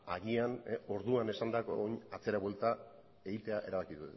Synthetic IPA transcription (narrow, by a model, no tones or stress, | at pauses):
aɣiano̞ɾðuane̞sand̪akoɲat͡se̞ɾaβwe̞lt̪a | e̞ɣit̪e̞aʔe̞ɾaβakiðut̪en